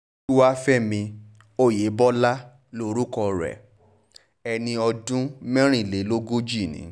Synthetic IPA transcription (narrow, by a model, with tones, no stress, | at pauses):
u˦wa˦fɛ˦˨mĩ˧ | o˦˨je˨˦bɔ˦la˦ | lo˦ɾu˦kɔ˧ɾɛ̰˨ | ɛ˧nĩ˧ɔ˧dũ˦mɛ̃˦ɾ̃ĩ˦˨le˨˦lo˦ɡo˦d͡ʒi˦˨nḭ̃˨˦